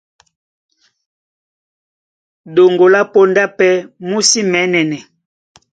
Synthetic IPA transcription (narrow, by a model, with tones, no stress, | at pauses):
do˨ŋɡo˨la˦po˦nda˦pɛ˦mu˦si˦mɛ˨˦nɛ˨nɛ˨